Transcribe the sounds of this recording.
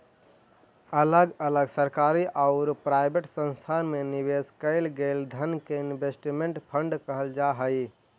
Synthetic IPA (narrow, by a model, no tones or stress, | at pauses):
ələɡələɡsəɾkaɾiʔaʊɾpɾajbeʈsə̃nst̪ʰanmenibeskəɪlɡeld̪ʱənkeinbesʈimeɳʈpʰəɳɖkəɦəld͡ʒaɦəj